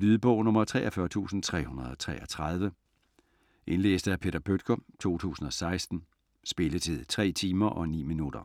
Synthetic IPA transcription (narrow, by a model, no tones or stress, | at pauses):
lyːðˠəb̥ɔʊnɔ̽mɐt͡sʰʁɛ̰ːʔɐfɶɐt͡sʰṵːsn̩t͡sʰʁɛ̰ːhunɐðˠɒ̽t͡sʰʁɛ̰ːʔɒt͡sʰʁɑð̞ˠʋə | ʔe̝nlḛːsd̥əæpʰe̝ːd̥ɐpʰød̥ɡ̥ɒt͡sʰo̝̰ːt͡sʰṵːsn̩ɒ̽sɑ̈ɪsd̥n̩ | sb̥e̝lət͡sʰe̝ðˠt͡sʰʁɛ̰ːt͡sʰiːmɐʔɒ̽nḭːminud̥ɐ